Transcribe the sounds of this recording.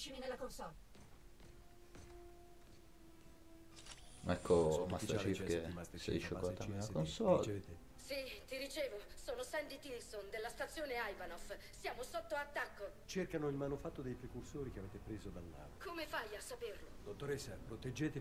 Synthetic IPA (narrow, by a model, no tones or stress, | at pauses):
t͡ʃinlakonsɔ | ɛkʰːomast̪t͡ʃifkesḛiʃːokoat̪amelːakonsɔlet̪e | sit̪iɾit͡ʃeːvosoːnosɛnd̪it̪ilsond̪elːast̪at̪sːjoːneajvanof | sjaːmosot̪ːoat̪ːakːo | t͡ʃerkanoilmanufat̪ːod̪ejpɾekursoːɾikeaveːt̪epɾeːzod̪alːa̰ːnokomefajasːaperlo̰d̪ot̪ːoɾesːapɾot̪ed͡ʒːeːt̪e